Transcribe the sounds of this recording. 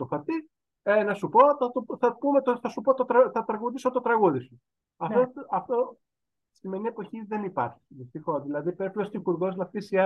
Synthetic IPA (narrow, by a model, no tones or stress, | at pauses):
t̪ofɐt̪i | enɐsupo̞θɐt̪oθɐpumet̪oθɐsupot̪ot̪ɾɐθɐt̪ɾɐɣuðisot̪ot̪ɾɐɣuðisu | ɐfoɐft̪o | st̪imeniepo̞çiðe̞nipɐɾçi̥i̥ðist̪ixo̞zðilɐðipeɾplost̪ixuɾɣo̞znɐftisiɐ